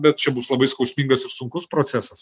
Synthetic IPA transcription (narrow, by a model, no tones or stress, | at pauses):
bʲɛt̪̚t͡ʃʲɛbʊslˠɐbɐɪskɐʊsʲmʲiŋɡɐsɪɾsʊŋkʊspɾoːtsʲæsɐs